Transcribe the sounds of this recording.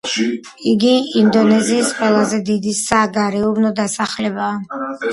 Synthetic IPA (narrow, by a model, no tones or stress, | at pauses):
iɡiind̪ɔnɛziːsqʼwɛlˠazɛd̪id̪isaɡaɾɛubnɔd̪asaχlɛbaː